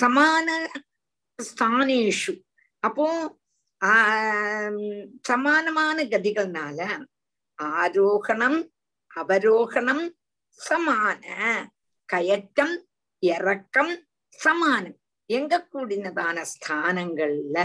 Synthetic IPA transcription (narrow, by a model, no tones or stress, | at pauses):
sɐmaːnɐ | st̪ʰaːneːʂu | ɐpːoː | sɐmaːnɐmaːnɐɡɐd̪iɣɐɭnaːlɐ | aːɾoːhɐɳɐm | ɐʋɐɾoːhɐɳɐm | sɐmaːnɐ | kɐjɐtːɐm | jerɐkːɐm | sɐmaːnɐm | eŋɡɐkːuːɽinːɐðaːnɐst̪ʰaːnɐŋɡɐɭilɐ